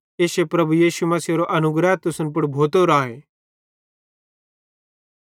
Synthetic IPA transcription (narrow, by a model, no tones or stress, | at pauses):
eːʃepɾɐbujiːʃumɐsioɾoʔɐnʊɡɾaːt̪ʊsʊnpʊɽbʱoːt̪oɾãːɦeː